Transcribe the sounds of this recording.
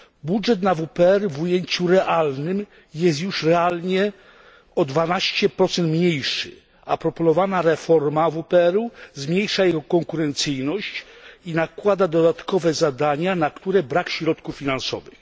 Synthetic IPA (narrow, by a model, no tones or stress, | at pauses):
budʐɛt̪̬navupɛɛɾvujeɲt͡ɕuɾɛʔalnɘm | jɛst̪juʂɾɛalɲɛ | ɔd̪vanaɕt͡ɕɛpɾɔt̪sɛnt̪mɲejʂɘ̰ | a̰pɾɔpɔnɔvanaɾɛfɔɾmavupɛɛɾuzmɲejʂajɛɡɔkɔŋkuɾɛnt̪sɘjnɔɕt͡ɕinakwad̪ad̪ɔd̪at̪kɔvɛzad̪aɲanakt̪uɾɛbɾakɕɾɔt̪kufːʲinansɔ̰vɘ̰x